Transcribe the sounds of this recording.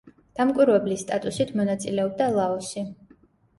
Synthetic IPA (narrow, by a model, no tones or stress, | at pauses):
d̪̥amkʼwiɾvɛblist̪ʼat̪ʼusit̪ʰmɔnat̪sʼilɛɔb̚d̪alˠaɔsi